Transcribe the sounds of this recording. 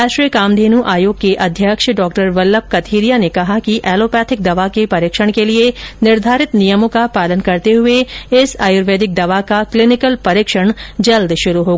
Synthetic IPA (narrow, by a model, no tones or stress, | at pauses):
aːʃɾijəkaːmd̪ʱeːnuʔaːjoːɡ̚keʔɐd̪ʱjəkʃɖɔːk̚ʈəɾʋɐlːəp̚kɐt̪ʰiːɾijanekɐɦakiʔɛːloːpɛːt̪ʰɪk̚d̪ɐʋakepɐɾɪkʃəɽ̃kelienɪɾd̪ʱaːɾɪt̪nijəmõkapaːlənkɐɾt̪eɦʊeɪsaːjʊːɾʋeːd̪ɪk̚d̪ɐʋakaklɪnɪkəlpɐɾɪːkʃəɽ̃d͡ʒɐld̪ʃʊɾuɦoːɡaaː